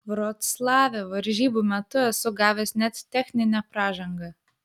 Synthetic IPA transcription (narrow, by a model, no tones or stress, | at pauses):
ʋɾot̪slˠɑːʋʲɛʋɐɾʲʒʲiːbuːmʲɛt̪ʊɛsʊɡɑːʋʲesnʲɛt̪t̪ʲɛxʲnʲɪnʲɛpɾɑːʒɐŋɡɐ